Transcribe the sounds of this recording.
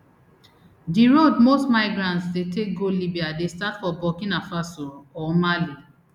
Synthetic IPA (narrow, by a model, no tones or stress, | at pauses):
diɹodmostmaɪɡɹãntsdetek̚ɡolibiadestatfɔbɔkĩnafasoɔmali